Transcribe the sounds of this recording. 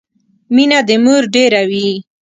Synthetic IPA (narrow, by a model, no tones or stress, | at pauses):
minad̪əmuɾɖeɾawi